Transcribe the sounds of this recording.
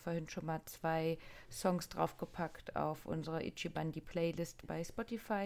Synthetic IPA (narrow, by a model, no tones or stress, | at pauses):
foːɐhɪntʃoːnmaːlt͡sv̥aɪsɔŋsd̥ʁa̰ʊfɡ̥əpʰaktʰa̰ʊfʔʊ̰nzəʁɐʔɪ̰t͡ʃibandiːpʰl̥ɛɪlɪstb̥aɪspɔtifaɪ